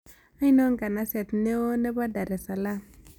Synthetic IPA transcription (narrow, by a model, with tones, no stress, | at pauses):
a˦i˦no˦ŋ˦ɡa˨na˦se˨t̪ne˦wo˦ne˦ba˦da˨ɾe˨sa˨la˦